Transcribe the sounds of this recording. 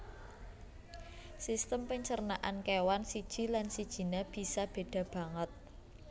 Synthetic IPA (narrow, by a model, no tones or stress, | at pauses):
sist̪əmpəɲt͡ʃərnaʔankewansid̥ʒ̥i̤lansid̥ʒ̥i̤nab̥i̤sab̥e̤d̥ä̤b̥ä̤ŋət̪̚